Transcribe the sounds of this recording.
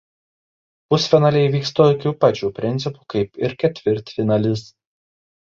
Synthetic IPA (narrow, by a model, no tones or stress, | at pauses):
pʊsfʲɪnɑlʲɛɪʋʲiːkst̪okʲuːpɐt͡ʃʲuːpʲɾʲɪnʲt̪sʲɪpu̥kɐɪpɪɾkʲɛt̪ʲʋʲɪɾʲt̪ʲfʲɪnɐlʲɪs